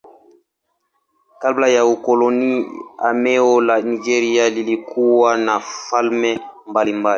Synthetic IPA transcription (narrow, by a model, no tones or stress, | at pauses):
kablajaukolɔnia̰mɛolaniʒɛɾialilikuwanafalmɛmbalimbali